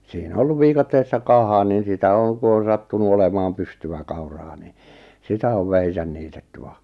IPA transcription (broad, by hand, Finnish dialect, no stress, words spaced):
siːn o olːuʋ ʋiːkɑtːeːsːɑ kɑhɑ nin̞ sitæ oŋ ku on̞ sɑtːunu olemɑːm pystyʋæ kɑurɑː ni sitæ oʋ ʋæhisæn niːtetːy ʋɑ